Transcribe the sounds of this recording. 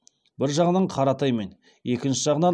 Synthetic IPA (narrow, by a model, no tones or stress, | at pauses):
bɪɾʒɑʁənəɴqʰɑɾɑt̪ɑjme̞n | e̞kʲɪnʃɪʒɑʁənɑn